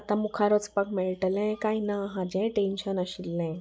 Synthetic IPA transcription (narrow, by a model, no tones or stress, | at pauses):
at̪ãmukʰaɾɔt͡spakmeɭʈlɛ̃kainaɦãd͡ʑɛ̃ʈenɕənaɕilːɛ̃